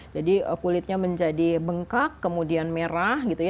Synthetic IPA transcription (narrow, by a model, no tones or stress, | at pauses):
d͡ʒadiəkulɪt̪̚ɲaməɲd͡ʒadibəŋkakːəmudianmeɾahɡit̪uj